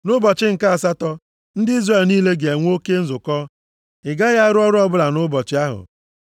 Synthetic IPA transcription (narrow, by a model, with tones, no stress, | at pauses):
nʊ˦bɔ˨t͡ʃɪ˦ŋ̩˨ka˦a˨sa˦tɔ˦ | n̩˦dɪ˦i˦zre˦˨lniː˦le˦ɡe˨e˨ŋʷ˦o˦ke˦n̩˦zʊ˨kɔ˦ | ɪ˨ɡa˦ɣa˦ɾʊ˦ɔ˦ɾʊ˦ɔ˦bʊ˦la˨nʊ˦bɔ˨t͡ʃɪ˦a˦ɦʊ̰˨